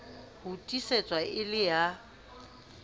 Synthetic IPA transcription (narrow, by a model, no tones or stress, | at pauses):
hutʼiset͡sʼwaɪlɪja